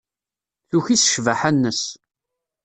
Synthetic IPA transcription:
θuçisə̥ʃvaħænːəs

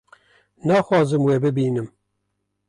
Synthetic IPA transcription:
nɑːxwɑːzɨmweːbɨbiːnɨm

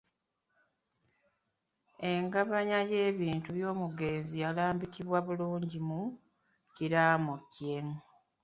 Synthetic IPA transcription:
e̞ŋɡaβaɲaje̞ːβiːntuβjo̞ːmuɡe̞ːnzijalaːmbikiβwaβuluːɲɟimu | ciɾaːmucje̞ŋ

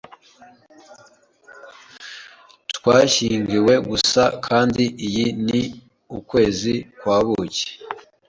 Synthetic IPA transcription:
twaːʃiːŋɡiwe̞ɡusakʰaːndiijini | ukwe̞ːzikwaːβuce̥

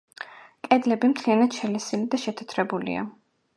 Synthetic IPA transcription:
kʼɛd̪lɛbimt̪ʰlianad̪ʃɛlɛsilid̪aʃɛt̪ʰɛ̥t̪ʰɾɛbulḭa̰

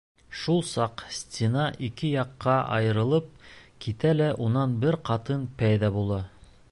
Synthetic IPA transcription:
ʃulˠsɑqsʲt̪ʲɪnɑʔikɘjɑqːɑʔɑ̰jɤ̆ɾɤ̆lˠɤp̚kit̪ælæʔunɑnbɘɾqɑt̪ɤnpæjðæbulˠɑ

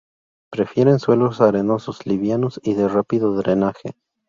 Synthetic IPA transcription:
pɾe̞fje̞ɾenswe̞losaɾe̞no̞sosliβjanosiðerapiðoðɾenaxe

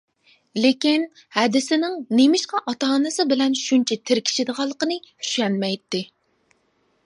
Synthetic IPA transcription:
lekʲin | hɛd̪ɪsɪnɪŋnemɪʃqɑʔɑt̪ɑɦɑnɨsɨbɪlɛnʃunt͡ʃʰɛt̪ʰɪɾkʲʰi̥ʃid̪əʁɑlˠːəqənɨhy̥ʃɛnmɛjt̪ːɪ

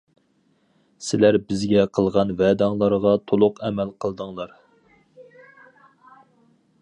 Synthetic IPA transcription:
sɪlæɾbɪzɡʲɛqʰəlˠʁɑnvɛd̪ɑŋlˠɑɾʁɑt̪ʰolˠʊqɛmælqʰəlˠd̪əŋlˠɑɾ

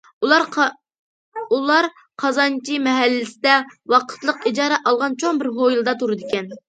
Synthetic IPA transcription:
ulˠɑɾ | qʰɑzɑnt͡ʃʰimɛɦɛlːɪsɪd̪ɛwɑqʰə̥t̪lˠəqid͡ʒɑːɾɛʔɑlˠʁɑnt͡ʃʰoŋbɪɾɦojilˠɨd̪ɑt̪ʰuɾɨd̪ɪkʲɛn

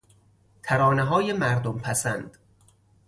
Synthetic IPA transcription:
t̪ʰæɾɒːneɦɒːjemæɾd̪ompʰæsænd̪̥

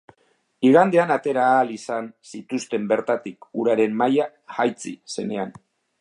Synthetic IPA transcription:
iɣ̞and̪e̞anat̪e̞ɾaːlisansit̪ust̪e̞mbe̞ɾt̪at̪ikuɾaɾe̞mːaja | xajt͡sḭse̞ne̞an

